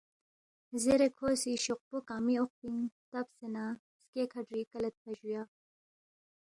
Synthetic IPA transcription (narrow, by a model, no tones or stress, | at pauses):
zeɾekʰoːsiʃoq̚pokaːmioq̚piŋt̪ɐbsena | skekʰaɖɾikɐlɐt̪̚pɐʒujaː